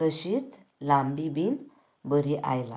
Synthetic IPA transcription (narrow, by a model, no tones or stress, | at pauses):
əɕit̪ | lambibin | bəɾiʔa̰jla